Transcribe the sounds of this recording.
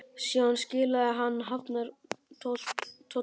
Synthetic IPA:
sjawanscɪːlaðɪɦanːɦaft̪naɾt̪ʰowl̥t̪ʰːo

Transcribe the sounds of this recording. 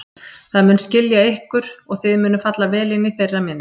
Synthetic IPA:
θaðmʏːnscɪljaehkʏɾ̥ɔɣθɪðmʏːnʏfat̪lavɛːlɪnːɪθejrːamɪnː

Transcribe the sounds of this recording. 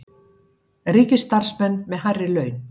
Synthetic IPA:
riːcɪst̪ar̥smɛnːmɛðɦarːɪlœːɥn

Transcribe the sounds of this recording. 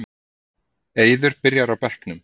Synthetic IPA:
eːjðʏɾpɪɾjaɾawpɛl̥knʏm

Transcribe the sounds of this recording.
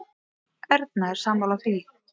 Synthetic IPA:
ɛɾt̪̚naɛɾ̥samawlaθɾi

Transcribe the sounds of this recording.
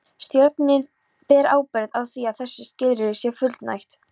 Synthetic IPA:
st̪jœɾt̪nɪn | pɛːɾa̰ːwpɛɾðawθiavθɛsːɪscɪðɾɪɾɪsjɛfʏt̪lt̪na̰jxt̪

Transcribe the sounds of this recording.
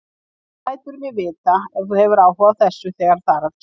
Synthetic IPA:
laːjt̪ʏɾmjɛvɪːt̪aɛ̥θuhɛvʏɾaːwhɔvaθɛsːʏθɛːɣaɾ̥θaɾaðc

